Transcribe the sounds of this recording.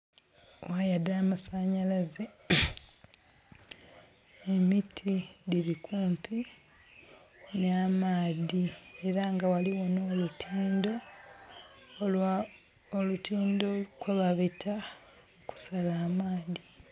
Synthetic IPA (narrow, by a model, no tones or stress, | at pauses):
wajadaːmasaɲalaze | emitʰiðilikʰuːmpʰi | namaːðie̞ɾaŋɡawaliwonoːlutʰiːndo̞ | olutʰiːndokweβaβitʰa | oku̥salaːmaːði